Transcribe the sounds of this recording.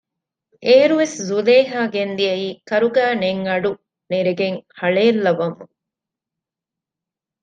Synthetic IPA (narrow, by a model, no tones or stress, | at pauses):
ʔeeɾuʋeszuleːɦaːɡend̪iɐiːkɐɾuɡæːneŋɐɖu | neɾeɡeŋhɐɭeːlːɐʋɐmṵŋ